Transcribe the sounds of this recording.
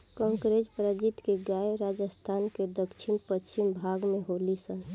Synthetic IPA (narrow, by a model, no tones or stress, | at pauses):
kə̃ŋkɾed͡ʒpɾəd͡ʒit̪keɡaeɾad͡ʒəst̪ʰanked̪əkt͡ʃʰinpət͡ʃimbʱaɡmeɦolisən